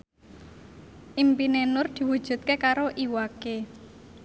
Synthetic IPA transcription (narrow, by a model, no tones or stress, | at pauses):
ʔimpinenʊrd̪̥i̤wud̥ʒ̥ṳt̪̚kekaɾoʔiwake